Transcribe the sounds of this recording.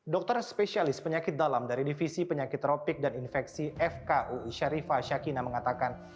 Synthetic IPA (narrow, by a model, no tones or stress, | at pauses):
dɔk̚t̪ərspɛsialɪspəɲakɪt̪̚dalamdaɾidifisipəɲakɪt̪ːɾopɪk̚daninfɛksiʔɛfkaʔuiʃaɾifaʃakinaməŋat̪akan